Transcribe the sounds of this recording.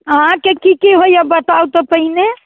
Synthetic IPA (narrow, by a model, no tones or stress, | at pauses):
ɦãkekikiɦoijabət̪aut̪opəɦine